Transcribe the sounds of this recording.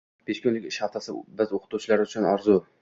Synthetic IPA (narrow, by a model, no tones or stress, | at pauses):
b̥eʃkʲʊnlɪkʲɪʃhaft̪ʰasɪbɪzoqʰɨ̥t̪ʰuwt͡ʃʰɪlaɾɪʊt͡ʃʰʊnaɾzʊ